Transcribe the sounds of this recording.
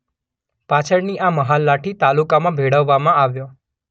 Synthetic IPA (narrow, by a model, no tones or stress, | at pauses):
pat͡ʃʰəɾniʔaməɦalːaʈʰit̪alukamãbʱeɽəʋːamãaʋjo